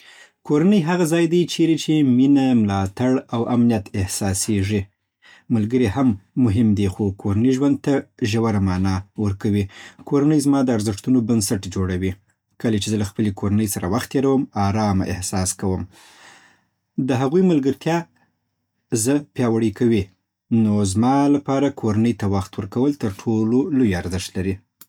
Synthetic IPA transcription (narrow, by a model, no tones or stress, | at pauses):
koɾanəjɦaɣazɑjd̪ajt͡ʃeɾet͡ʃeminamlɑt̪aɽawʔamnijat̪ɪhsɑseʐi | malɡəɾihamːʊɦɪmd̪exokʰoɾaniʒwand̪̚t̪aʒawaɾamɑnɑwəɾkawikʰoɾanəjzmɑd̪əaɾzɪʂt̪unobansaʈd͡ʒoɽawi | kəlat͡ʃezəlaxpəlekʰoɾanəjsaɾawaxt̪jeɾawəmɑɾɑmaʔɪ̰hsɑskawəm | d̪əɦaɣujmalɡəɾt̪ʰjɑ | zəpjɑwaɽikawi | nozmɑlapɑɾakʰoɾanəjt̪awaxt̪wəɾkawəlt̪əɾʈʰololojaɾzəʃt̪laɾi